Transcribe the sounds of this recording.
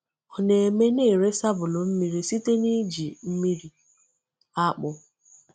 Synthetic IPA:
ɔ˨ne˨e˨me˦ne˦˨ɾe˦sa˦bʊ˨lʊ˨m̩˦mi˦ɾi˦si˦te˦ni˦d͡ʒi˨m̩˦mi˦ɾi˨ | a˦k͡pʊ˦

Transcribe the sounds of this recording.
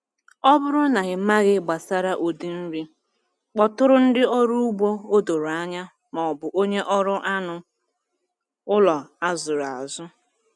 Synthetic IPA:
ɔ˦bʊ˦ɾʊ˦na˨ɣɪ˨m̩˦ma˦ɣɪ˦ɡ͡ba˨sa˦ɾa˦ʔo˨di˨n̩˦ɾi˦ | k͡pɔ˦tʊ˦ɾʊ˦n̩˦dɪ˦ɔ˦ɾu˦u˦ɡ͡bʷo˦o˦do˨ɾa˦ɲa˦ | mɔ˨ɔ˨bʊ˨ʔo˦ɲe˦ʔɔ˦ɾʊ˦ʔa˦nʊ˨ | ʊ˦lɔ˨a˦zʊ˨ɾa˨zʊ˦

